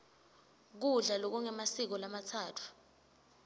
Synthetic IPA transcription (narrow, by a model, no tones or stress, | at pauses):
k̬uɮalok̬uŋɛmasik̬ɔlamatʰaːtʰu̥